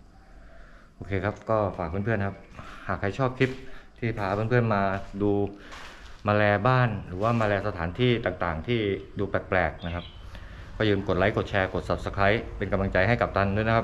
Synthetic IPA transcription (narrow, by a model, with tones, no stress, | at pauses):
ʔoː˧kʰeː˧kʰa˦˥p̚kɔː˥˩faː˨˩k̚ʰu˧˥˨pʰɯ˥˩ənkʰa˦˥p̚haː˨˩kʰːa˧˥jt͡ɕʰɔː˥˩p̚kʰi˦˥p̚t̪ʰiː˥˩pʰaː˧˩pʰɯ˥˩npʰɯ˥˩ənmaː˧duː˧ | maː˧lɛː˧baː˥˩nɾɯː˩˦waː˥˩maː˧lɛː˧sa˧aː˩˦nt̪ʰiː˥˩t̪aː˨˩ŋt̪aː˨˩ŋt̪ʰiː˥˩duː˧pɛː˨˩k̚plɛː˨˩k̚na˦˥kʰa˦˥p̚ | kɔː˥˩jɯː˧mko˨˩t̪̚la˦˥jko˨˩t̪̚t͡ɕʰɛː˧ko˨˩t̪̚sa˨˩p̚sa˧kʰɾa˦˥jpe˧nka˧mla˧ŋt͡ɕa˧jɦa˥˩jka˨˩p̚t̪ʰa˥˩ndu˥˩˨jn˦kʰa˦˥p